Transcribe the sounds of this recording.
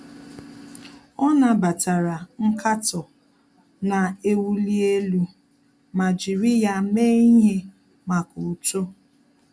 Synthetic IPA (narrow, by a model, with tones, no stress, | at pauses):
ɔ˦na˨ba˨ta˨ɾa˨ŋ̩˦kʰa˦tɔ˨ | na˨e˦wu˦li˦e˦lu˦ | ma˨d͡ʒi˨ɾi˦ja˦me˦i˦ɦe˦ | ma˨ku˨to˦